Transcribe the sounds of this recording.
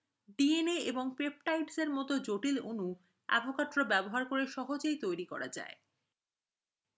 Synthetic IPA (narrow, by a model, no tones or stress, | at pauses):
ɖieneeboŋpep̚ʈajʈseɾmɔt̪od͡ʑoʈilonu | a̰bokaɾt̪ɾobɛboɦaɾkoɾeʃɔɦod͡ʑejt̪ojɾikɔ̰ɾad͡ʑa̰e